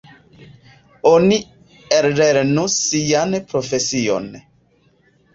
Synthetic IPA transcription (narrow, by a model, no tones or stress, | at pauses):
oni | eɾɾeɾnusianpɾofesio̰n